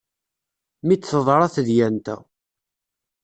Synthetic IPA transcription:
mit͡sːθəðˤɾˤɑθðjænt̪æ̰

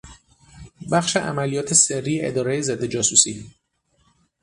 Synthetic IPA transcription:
bæxʃe̞ʔæ̰mælijɒːt̪ʰe̞serːiːeʔed̪ɒːɾejezed̪ːe̞d͡ʒɒːsuːsiː

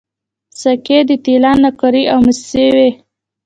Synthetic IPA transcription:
saked̪ət̪ilɑnːakaɾiawməssewe

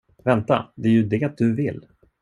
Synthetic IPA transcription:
vɛnt̪a̰d̪ɛæːɾjɵd̪ɛat̪̚d̪ɵvɪlː

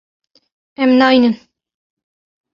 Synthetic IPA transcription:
ɛmnajnən

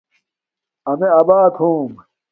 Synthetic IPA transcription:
ɐmeɐːbaːt̪hũːm

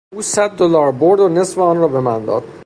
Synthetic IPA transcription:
uːsæd̪̚ːolɒːɾboɾd̪one̞sfeɒnɾɒːbe̞mænd̪ɒ̰ːd̪̥

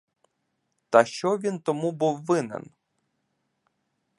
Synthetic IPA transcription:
t̪ɐʃt͡ʃɔʋʲint̪ɔmubuwːɪnɛ̰n

